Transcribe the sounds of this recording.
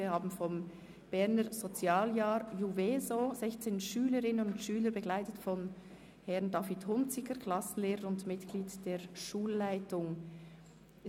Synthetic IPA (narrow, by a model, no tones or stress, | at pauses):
ihaːbn̩fɔm | b̥ɛʁnəɾz̥ot͡sjaːljaːɾjuveːzozɛçt͡seːnʃyːləɾɪnənʊntʃyːləɾbəɡlaɪtətfɔn | hɛʁndɑːfithʊnt͡sɪkəkʰl̥ɑsn̩leːʁəɾʊntmɪtɡ̥liːtd̥eːʃuːlːaɪtʊŋ